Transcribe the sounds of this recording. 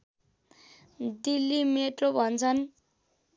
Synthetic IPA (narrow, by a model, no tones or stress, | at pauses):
d̪ilːimeʈrobʱʌnt͡sʰʌn